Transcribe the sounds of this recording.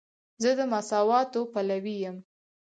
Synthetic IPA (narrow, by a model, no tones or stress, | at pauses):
zəd̪əmasɑwɑt̪opalawijəm